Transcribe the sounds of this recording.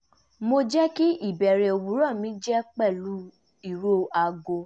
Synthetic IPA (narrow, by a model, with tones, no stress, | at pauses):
mo˧d͡ʒɛ˦ki˦i˦˨bɛ˨ɾɛ˨o˨wu˨˦ɾɔ̃˦˨mĩ˨˦d͡ʒɛ˦k͡pɛ˦˨lu˨˦ | i˦˨ɾo˦a˧ɡo˧